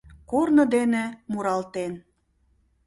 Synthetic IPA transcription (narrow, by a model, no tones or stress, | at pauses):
kornɤ̆d̪enemuɾɑlt̪en